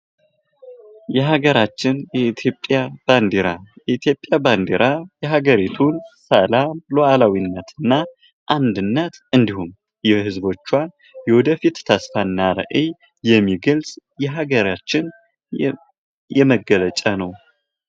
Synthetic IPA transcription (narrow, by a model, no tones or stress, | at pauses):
jɛɦaɡəɾat͡ʃːɪnjɛit̪ʰjo̞pʼjab̥and̪eɾajɛit̪ʰjo̞pʼjaband̪eɾʔajɛɦaɡəɾit̪ʰunsəlamloʔalawinːət̪ɨnːa | ʔand̪ɨnːət̪ʔɨnd̪ihum | jɛhɨzbo̞t͡ʃːwa | jɛwɔd̪əfit̪t̪ːʰasfanːaɾə̰ʔe | jɛmːiɡəlsʼjɛɦaɡəɾat͡ʃːɪn | jɛməɡələt͡ʃʼanəw